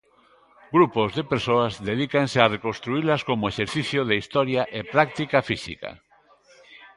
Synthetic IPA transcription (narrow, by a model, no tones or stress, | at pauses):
ɡɾupozðepeɾsoazðeðikansearekõnst̪ɾuilaskomoeʃeɾθiθjoðeist̪ɔɾjaʔepɾakt̪ikafisḭka̰